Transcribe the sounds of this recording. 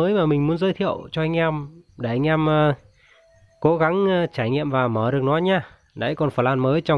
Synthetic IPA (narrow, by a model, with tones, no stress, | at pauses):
əː˨˦jmaː˨˩mï˨˩ŋ̟mu˨˦ənzəː˨˦jt̪ʰḭ˧˨əwt͡ɕɔ˧ʔa˧jŋ̟ʔɛ˧mɗe˧˩ʔa˧ŋ̟ʔɛ˧mː˧ | ko˨˦ɣa˨˦ŋː˧t͡ɕaː˧˩jŋḭ˧˨əmvaː˨˩məː˧˩ɗɨ˨˩ək̚nɔ˨˦jɲaː˧˩ | ɗa̰ː˧˥jkɔ˨˩nfəː˧˩laː˧nməː˨˦jt͡ɕɔ˧w